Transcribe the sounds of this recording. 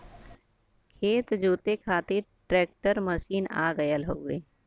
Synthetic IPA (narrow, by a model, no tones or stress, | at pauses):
kʰeːt̪d͡ʒoːt̪ekʰaːt̪eʈɾɛːk̚ʈəɾməʃiːna̰ːɡəjəlɦoːɡeː